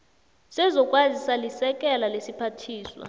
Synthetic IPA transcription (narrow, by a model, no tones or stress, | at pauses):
sɛzɔkʼwazisalisɛk̬ʼɛlalesipʰatʰiːswa̰